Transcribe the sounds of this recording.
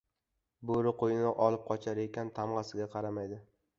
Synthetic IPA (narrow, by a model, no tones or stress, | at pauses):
boɾɪqʰojɪnɪʔɒlˠɪp̚qʰɒt͡ʃʰaɾekʲant̪ʰamʁɑsɪɡʲaqʰɑɾamajd̪ɪ